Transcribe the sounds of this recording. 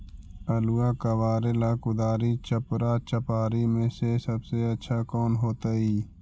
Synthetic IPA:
əluːaːkəwaːɾelaːkʊd̪aːɾit͡ʃəpɾat͡ʃəpaːɾimẽsesəbseɐtːʃʰakɔːnɦoːt̪aiː

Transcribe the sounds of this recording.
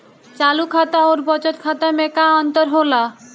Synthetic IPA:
t͡ʃalukʰat̪aoɾbɔt͡ʃɔt̪kʰat̪amekaɔnt̪ɔɾɦola

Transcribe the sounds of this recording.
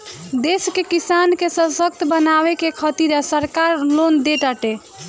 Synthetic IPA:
d̪eskekisankesə̃sək̚t̪bənaβekekʰət̪iɾasəɾkaɾlond̪eʈaʈe

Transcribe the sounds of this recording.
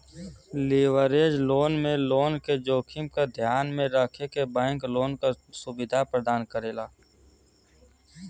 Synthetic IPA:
liːʋəɾeːd͡ʒloːnmẽloːnked͡ʒoːkʰɪmkad̪ʱjaːnmẽɾəkʰekebɛ̃ːŋkloːnkasʊbɪd̪ʱapɾəd̪aːnkəɾeːlaː

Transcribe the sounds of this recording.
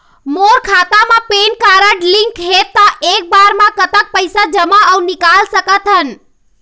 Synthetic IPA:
moɾkʰat̪amepenkaɾəʈliŋkɦet̪ːɔʔek̚baɾmãkət̪ək̚pəjsad͡ʒəmaəunikalsəkət̪ɦən

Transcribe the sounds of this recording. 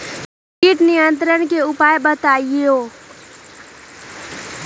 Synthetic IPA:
kɪʈnɪjə̃nt̪ɾəɽkeʊpaːjbət̪aːioː

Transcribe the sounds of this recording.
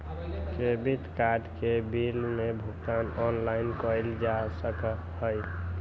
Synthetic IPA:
kebit̪kaɾɖkebilmebʱukt̪anɔnlaɪnkəjld͡ʒasək | ɦəj

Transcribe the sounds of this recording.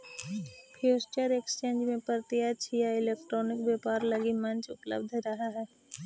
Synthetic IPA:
pʰjuːst͡ʃəɾeːkst͡ʃẽːnd͡ʒmẽpəɾt̪ijat͡ʃʰijaɪleːk̚ʈɾɔːnɪkʋjeːpaːɾlɐɡimɐ̃nt͡ʃʊ̰plə̰bd̪ʱɾɐɦaɦɛː

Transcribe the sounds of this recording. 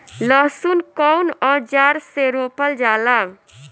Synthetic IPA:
lɔsunkɔwnɔd͡ʒaɾseɾopəld͡ʒala

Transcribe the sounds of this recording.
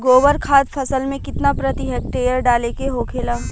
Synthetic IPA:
ɡoːʋəɾkʰaːt̪pʰɐsəlmẽkɪt̪napɾɐt̪iɦɛːk̚ʈeːjəɾɖaːlekeɦoːkʰeːlaː

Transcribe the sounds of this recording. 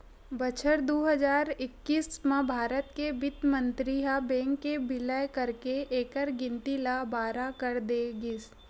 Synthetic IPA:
bət͡ʃʰəɾd̪oːɦɐd͡ʒaːɾɪkːiːsmãbʱaːɾət̪kebɪt̪mə̃nt̪ɾiɦabɛ̃ːŋkːebɪlajkəɾkeʔeːkəɾɡɪ̃nt̪ilabaːɾakəɾd̪eɡɪs

